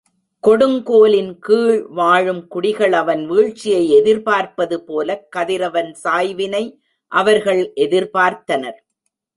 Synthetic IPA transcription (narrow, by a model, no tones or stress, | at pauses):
kɔɽɯŋkoːlɪnkiːɻʋaːɻɯmkʊɽɪɣɐɭɐʋɐnʋiːɻt͡ʃːɪjɐɪɛðɪɾpaːɾpɐðɯpoːlɐkːɐðɪɾɐʋɐnsaːjʋɪnɐɪ | ʔɐʋɐɾɣɐɭʔɛðɪɾpaːɾt̪ɐnɐɾ